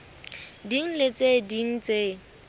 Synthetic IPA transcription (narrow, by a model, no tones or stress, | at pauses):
diŋ̩let͡sʼediŋ̩t͡sʼe